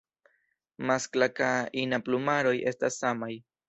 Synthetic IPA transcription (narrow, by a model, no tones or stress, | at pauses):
masklakainaplumaɾoje̞stasːamaj